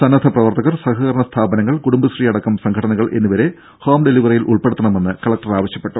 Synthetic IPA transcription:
sɐnːɐd̪ʱʰɐprɐʋɐrt̪ɐɣɐrsɐɦɐɣɐɾɐɳɐst̪ʰaːbɐnɐŋːɐɭkuɽumbɐɕriːɐɽɐkːɐmsɐŋkʰɐɽɐnɐɣɐɭʔe̞nːuʋɐɾe̞ | hoːmɖeliʋɐrɐjilʔṵɭpeɽut̪ːɐɳɐme̞nːɨkɐɭɐk̚ʈɐraːʋɐɕjɐpːe̞ʈːu

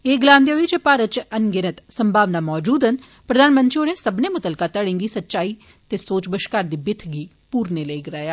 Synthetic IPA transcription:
eːɡɪlaːnd̪eːɦoiːt͡ʃəpaːɾət̪̚t͡ʃənɡɪnət̪səmbʱaːʋnaːmɔːd͡ʒuːd̪ɦən | pɾəd̪aːnmə̃nt̪ʃionẽːsəbneːmʊt̪əlkaːt̪əɽẽːŋɡiːsətːʃaːiː | t̪eːsoːt͡ʃbəʃkaːɾd̪iːbɪt̪ʰɡiː | puːɾneːləiɡɪɾaːjaː

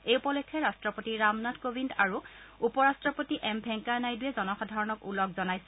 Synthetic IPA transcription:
ejupɔlekʰːɛɹastɹɔpotiɹamnatkobʱindaɹuupɔɹastɹɔpotiʔɛmbʱɛŋkaɹnajduɛzɔnɔxɔdʱaɹɔnɔkulɔkzɔnajsɛ

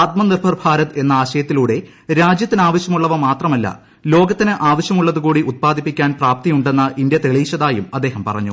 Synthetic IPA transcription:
t̪̚mɐnirbʱɐrbʱaːɾɐt̪e̞nːɐaːɕɐjɐt̪ːiluːɽe̞ | ɾaːd͡ʑjɐt̪ːinaːʋɐɕjɐmuɭːɐʋɐmaːt̪rɐmɐlːɐ̰ | lo̞ːɡɐt̪ːinɨʔaːʋɐɕjɐmuɭːɐðukuːɽiʔut̪̚paːd̪ʱipːikʲːaːnpraːp̚t̪ijuɳɖe̞nːɐʔind̪jɐt̪eɭiːɕɐðaːjumɐd̪ːe̞ːhɐmpɐ̰rɐ̰ɲːu

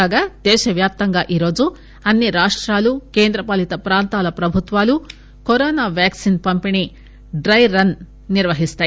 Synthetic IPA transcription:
aːɡaːd̪̥ɛːʃɐʋjaːp̚t̪ɐŋɡaːʔiːɾo̞ːd͡ʒu | ɐnːiɾaːʂʈɾaːlukeːnd̪ɾɐpɐlit̪ɐpɾaːnt̪aːlɐpɾɐbʱut̪ʋaːlu | koɾoːnaːʋjaːksinpɐmpini | ɖɾɐjɾɐn | niɾʋɐɦist̪aːj

